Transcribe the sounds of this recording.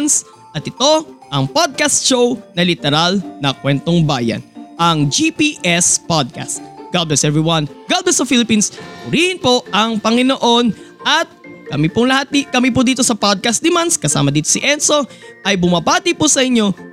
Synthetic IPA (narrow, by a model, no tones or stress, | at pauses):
ns | ʔɐt̪ɪt̪o̞ʔɐŋpod̪̚kast̪ʃownɐlɪt̪ɛɾalnɐkwɛnt̪o̞ŋbaːjɐ̰nʔɐŋd͡ʒipiʔɛspad̪̚ka̰st̪̚ɡ̥ablɛsɛvɹiwɐnɡabɛsɐfilɪpinsmʊɾiːhɪnpo̞ɐŋpɐŋɪno̞ʔo̞nʔɐt̪̚kɐmipʊŋlɐhat̪̚ikɐmipʊd̪iːt̪o̞sɐpad̪̚kɐst̪̚d̪ɪmanskɐsa̰ːmɐd̪iːt̪osɪʔɛnso̞ʔɐjbʊmɐbaːt̪ɪpʊsɐʔɪɲːo̞